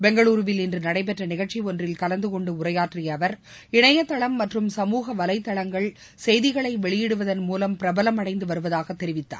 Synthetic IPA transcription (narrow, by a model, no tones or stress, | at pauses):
bɛŋɡɐɭuːɾʋɪlɪndrɯnɐɽɐɪp̬ɛʈrɐnɪɣɐɭt͡ʃiɔndrɪlkɐlɐnd̪ɯkɔɳɖɯʊrɐjaːʈrɪjɐʋɐɾ | ɪɳɐjɐt̪ːɐɭɐmːɐʈrɯmsɐmuːɣɐʋɐlɐɪt̪ːɐɭɐŋɡɐɭ | sɛjðɪɣɐɭɐɪʋɛɭɪjɪɽɯʋɐðɐnmuːlɐmpɪɾɐbɐlɐmɐɽɐɪnd̪ɯʋɐɾɯʋɐðaːɣɐt̪ːɛɾɪʋɪt̪ːa̰ː